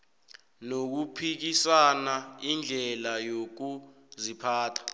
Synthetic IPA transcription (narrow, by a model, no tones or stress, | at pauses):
nok̬upʰik̬isanaind͡ɮʱɛlajok̬u | zipʰaːtʰḁ